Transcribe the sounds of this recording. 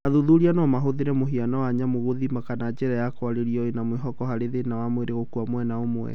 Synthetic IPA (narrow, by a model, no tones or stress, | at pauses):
aðuðuɾianɔmaɦoðeɾɛmoɦianawaɲamoɣoðimakanad͡ʒɛɾajakwaɾeɾiɔenamweɦɔkɔɦaɾeðenawamweɾeɣokuamwɛnaomwɛ̰